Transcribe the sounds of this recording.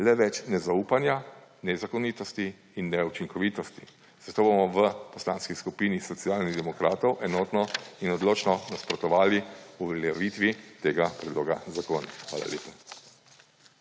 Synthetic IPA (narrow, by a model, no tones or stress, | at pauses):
lɛʋɛt͡ʃnɛzauːpanjanɛzakɔniːt̪ɔst̪iː | nːɛut͡ʃiŋkɔʋiːt̪ɔst̪i | z̥at̪oːbomɔʋəpɔsla̰ːnskiskupiːnisɔt̪sijaːlniɣd̪ɛmɔkɾaːt̪ɔwʔɛnoːt̪nɔinɔd̪loːt͡ʃnɔnaspɾɔt̪ɔʋaːliuʋɛljaʋit̪ʋit̪eːɡapɾɛd̪loːɡazakoːnixʋa̰ːla̰leːpa